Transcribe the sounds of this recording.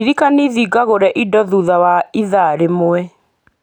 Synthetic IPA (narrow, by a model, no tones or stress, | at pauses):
iɾikaniðiɡaɣoɾɛʔidɔðuðawaiðaɾemoɛ